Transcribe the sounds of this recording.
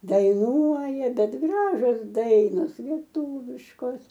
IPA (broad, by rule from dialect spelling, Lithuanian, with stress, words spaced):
dɐɪˈnuɔjɛ ˈbʲɛt ˈɡrɑːʒʲoːs ˈdɐɪnoːs lʲiɛˈtuːʋʲɪʃkoːs